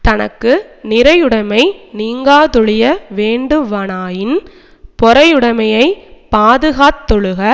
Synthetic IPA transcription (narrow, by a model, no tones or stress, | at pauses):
t̪ɐnɐkːɯnɪɾɐjɯɽɐmɐɪniːŋɡaːðɔɻɪjɐʋeːɳɖɯʋɐɳaːjɪn | pɔɾɐjɯɽɐmɐjɐɪpaːðɯɣaːt̪ːɔɻɯɣɐ